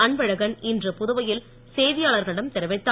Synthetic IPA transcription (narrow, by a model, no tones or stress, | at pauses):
ɐɳʋɐɻɐɣɐnɪndrɯpʊðʊʋɐjɪl | seːðɪjaːɭɐɾɣɐɭɪɽɐmt̪ɛɾɯʋɐɪt̪ːa